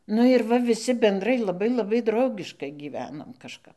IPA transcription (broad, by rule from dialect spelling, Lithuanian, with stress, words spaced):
ˈnʊ ɪr ˈʋɐ ʋʲɪˈsʲɪ bʲɛnˈdrɐɪ lˠɐˈbɐɪ lˠɐˈbɐɪ ˈdrɐʊɡʲɪʃkɐɪ ɡʲiːˈʋʲæːnoːm kɐʃˈkɐp